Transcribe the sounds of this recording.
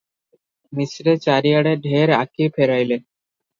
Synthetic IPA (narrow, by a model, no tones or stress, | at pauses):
misɾet͡ɕaɾijaɽeɖʱeɾa̰kipʰeɾajle